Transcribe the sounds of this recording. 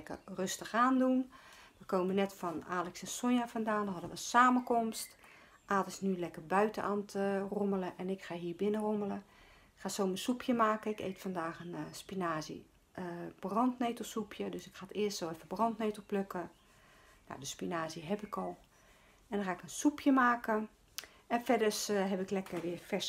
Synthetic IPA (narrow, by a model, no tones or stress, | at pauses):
ɛkə̰røstəxaːndunʋəkoːmənɛtfɔnaːlɛksɛnsojafɔndaːndɔɦɔdəʋənsaːməkomst | ʔaːdəsnylɛkərbœɥtənaːntʰromələʔɛnɪkxaːɦiːəbɪnəromələ | ɪkxaːsoːməsupʰjəmaːkəɪkḛːtfɔndaːxənspinaːzə̰ | b̥rɔntneːtəlˠsupʰjədøsɪkxaːtɪəstsowɛfəbrɔntneːtəlˠpløkə | ja̰dəspinaːzəɦɛpɪkɔlˠ | ɛndɔnxaːɪkənsupʰjəmaːkə | ɛnfɛdərsɦɛpɪklɛkərʋɪəfɛ